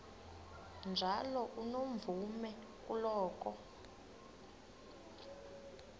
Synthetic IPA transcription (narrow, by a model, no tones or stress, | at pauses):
nd͡ʒʱalɔʔunoɱvumɛ | k̬ʼulɔːkʼɔ